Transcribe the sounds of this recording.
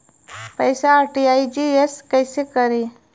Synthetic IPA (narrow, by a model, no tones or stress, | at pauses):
pəjsaːɾʈiaid͡ʒieskəjsekəɾi